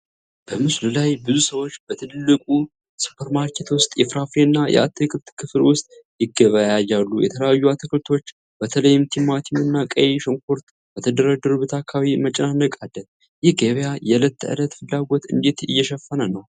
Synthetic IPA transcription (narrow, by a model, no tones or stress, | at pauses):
b̥əmɨslulajbɨzusəwo̞t͡ʃːb̥ət̪ʰɨlɨlːɨkʼu | su̥pʰəɾmaɾkʰe̞t̪wʊst̪ʼjɛfɾafeɨnːajɛ̰ʔa̰t̪ʰːekʰɨβt̪kʰɨflwʊst̪ʼjɪɡəβəjajalːujɛ̰t̪ʰələjajːuat̪ʰəkʰɨlt̪ʰo̞t͡ʃː | b̥ət̪ʰələjːɪmt̪ʰimːat̪ʰinɨnːakʼəjeʃəŋkʰo̞ɾt̪ | b̥ət̪ʰəd̪əɾad̪əɾuβɨt̪ʰakʰːaβimət͡ʃʼnanəkʼad̪ə | jɪhɡəβjajɛlət̪ʰːɨ̰lət̪fɨlːaɡo̞t̪ɨ̰nd̪e̞t̪ɨ̰jːɛʃɛfːənənəw